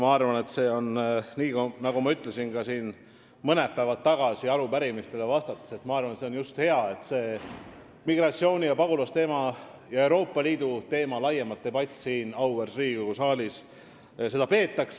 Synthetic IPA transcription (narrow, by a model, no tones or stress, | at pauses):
mɑɑrvɑne̞t̪se̞ːo̞nniːkunɑɡ̥umɑyt̪ːˑle̞sinkɑsiːn | mɤnepævɑt̪ːɑɡ̥ɑsiɑɾupæɾimist̪e̞le̞vɑst̪ɑt̪ːˑɑ̥se̞t̪mɑɑrvɑnet̪se̞o̞njust̪he̞ɑe̞t̪se̞ː | miɡrɑt̪sio̞ːnʲijɑpɑɡ̥ulɑst̪e̞ːmɑ | jɑe̞wɾo̞ːpːˑɑliːd̪ut̪e̞ːmɑlɑjemɑt̪ːe̞bɑt̪ʲːˑsiːnɑwersriːɡoɡusɑːlʲis | se̞d̪ɑpe̞ːt̪ːˑɑks